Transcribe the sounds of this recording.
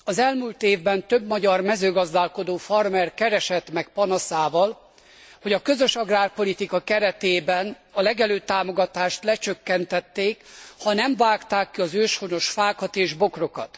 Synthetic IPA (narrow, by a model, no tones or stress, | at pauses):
ɒzɛlmuːlt̪eːvbɛnt̪ø̞bmɒɟɒrmɛzøːɡɒzd̪aːlko̞d̪oːfɒrmɛrkɛɾɛʃɛt̪mɛk̚pɒnɒsaːvɒl | ho̞ɟɒkø̞zøʃɒɡraːrpo̞lit̪ikɒkɛɾɛt̪eːbɛn | ɒlɛɡɛløːt̪aːmo̞ɡɒt̪aːʃt̪lɛt͡ʃøkːɛnt̪ɛt̪ːeːkhɒnɛɱvaːkt̪aːkːiɒzøːʃho̞no̞ʃfaːkɒt̪eːʒbo̞kro̞kɒ̰t̪